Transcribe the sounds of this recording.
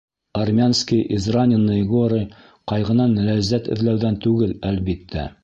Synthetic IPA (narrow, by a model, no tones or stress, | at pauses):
armʲanskʲijʔizranʲɪnːɤiɡoɾʲij | qɑjʁɤ̆nɑnlæzːæt̪ɘ̰̆ðlæwðænt̪ʉɡɘlælβit̪ʰːæ̰